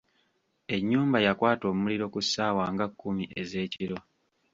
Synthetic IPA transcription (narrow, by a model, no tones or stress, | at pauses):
e̞ɲːuːmbajakwaːto̞ːmumuliɾo̞kusːaːwaːŋɡakːumiʔe̞ze̞ːciɾo̞